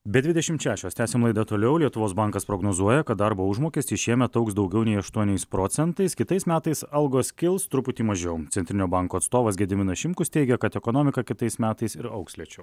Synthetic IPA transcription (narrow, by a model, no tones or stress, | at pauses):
bʲɛd̪ʲʋʲɪd̪ʲɛʃʲɪmt̪ʃʲæːʃʲoːst̪ʲæːsʲeːmlˠɐɪd̪ɐt̪oːlʲɛʊlʲiɛt̪ʊʋoːsbɑŋkɐspɾoːɡnoːzuɔjɛkɐt̪̚d̪ɐɾboːʊʒmoːkʲɪsʲt̪ʲɪʃʲiɛmʲɛt̪ɐʊksd̪ɒʊɡʲɛʊnʲɛɪɐʃt̪uɔnʲɛɪspɾoːt̪sʲɛnt̪ɐɪskʲɪt̪ɐɪsmʲæːt̪ɐɪsɐlˠɡoːskʲɪlˠst̪ɾʊpʊt̪ʲiːmɐʒʲɛmt̪sʲɛnʲt̪ʲɾʲɪnʲoːbɐŋkoːɐt̪st̪oːʋɐsɡʲɛd̪ʲɪmʲɪnɐʃʲɪmkʊst̪ʲɛɪɡʲɛkɐt̪ɛkoːnoːmʲɪkɐkʲɪt̪ɐɪsmʲæːt̪ɐɪsɪɾɐʊksʲlʲiɛt͡ʃʲɛʊ